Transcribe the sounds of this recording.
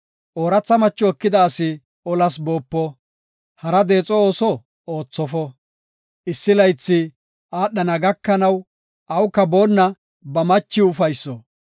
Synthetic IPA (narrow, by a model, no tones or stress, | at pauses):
ʔoːɾɐt͡sːɐmɐt͡ʃːɔɔkːɪd̪ɐːsɪ | ɔlɐsboːpːɔ | hɐɾɐd̪e̞ːt͡sʼɔoːsɔ | oːt͡sːɔfɔ | ʔɪsːɪlɐjt͡sːɪ | aːɗːɐnɐɡɐkːɐnɐw | ʔɐwkːɐbo̞ːnːɐ | bɐmɐt͡ʃːɪʊfɐjsːɔ